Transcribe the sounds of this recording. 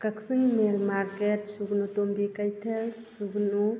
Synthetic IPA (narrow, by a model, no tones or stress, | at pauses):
kɐksiŋmeɾmaɾketsuɡnutombikajtʰelsuɡnu